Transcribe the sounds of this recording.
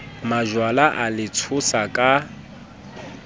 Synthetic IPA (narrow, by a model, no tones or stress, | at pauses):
maʒwalaʔalɪt͡sʰʊsakʼa